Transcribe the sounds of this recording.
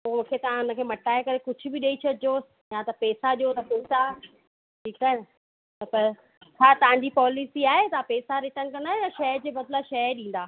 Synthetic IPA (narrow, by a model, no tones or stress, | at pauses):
pomũːkʰet̪ɐʋ̤ãɦʊnə̆kʰeːmɐʈaːekɐɾekʊd͡ʑʱʊbɪɗeːit͡ɕʰɐd͡ʑoː | jãt̪ɐpɛːsaʄot̪ɐpeːsa | ʈʰiːkaːɦɪɪ | t̪ɐpɐ | t͡ɕʰaːt̪ɐʋ̤ãɲd͡ʑipɔːlɪsiaːɦet̪ɐãpeːsaɾɪʈəñkɐ̃nd̪aːjãʃɐɦɾd͡ʑeːbɐd̪laʃɐəɗĩːn̆d̪aː